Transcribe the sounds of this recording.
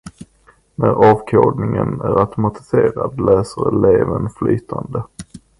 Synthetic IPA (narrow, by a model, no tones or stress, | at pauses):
næɾɑːvkʰoːɖ̪nɪŋənæɾat̪ʊmat̪ɪ̥seːɾad̪lɛːsəɾɛleːvənflyːt̪ʰand̪ə